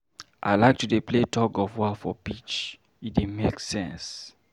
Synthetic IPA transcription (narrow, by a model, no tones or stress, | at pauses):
ʔa̰ɪlaɪk̚tudepletʰɔɡɔvwafɔbit͡ʃ | idemeksɛ̰̃ns